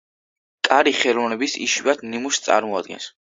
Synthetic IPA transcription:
kʼaɾiχɛlɔvnɛbisḭʃiad̪nimust̪sʼa̰ɾmɔad̪̚ɡɛ̰ns

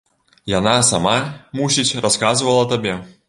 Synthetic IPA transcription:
janasamamusʲit͡sʲraskazvɐlˠɐt̪abʲɛ

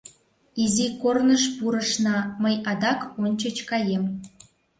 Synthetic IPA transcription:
izikornəʃpuɾəʃnɑməjɑd̪ɑkonʲt͡ɕət͡ɕkɑjem

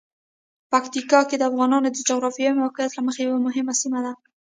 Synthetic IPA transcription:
pakt̪ikɑked̪əafɣɑnɑnod̪əd͡ʒʊɣɾɑfijmawqajat̪laməxajawamʊɦɪmasimad̪a

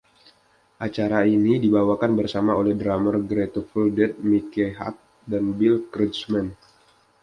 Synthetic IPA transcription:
ʔat͡ʃaɾainidibawakanbərsamaolɛhdɾamərɡɾet̪ofəldɛt̪̚mikeɦa̰t̪̚ | danbilkɾismɛn

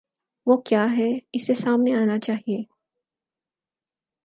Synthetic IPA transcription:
ʋokjaːɦɛɪsesaːmneaːnat͡ʃaːɦieː

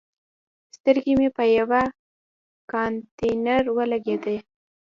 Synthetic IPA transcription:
st̪əɾɡimepəjawa | kɑnt̪enaɾwəlaɡed̪ə

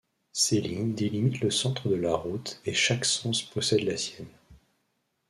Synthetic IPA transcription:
seliɲd̪elimit̪ləsɑ̃t̪χəd̪əlaʁut̪eʃaksɑ̃spʰɔsɛd̪lasjɛn

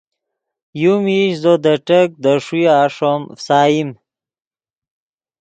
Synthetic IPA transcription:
jumiʃzod̪əʈək̚d̪əʂiaːʂomfsaːjim

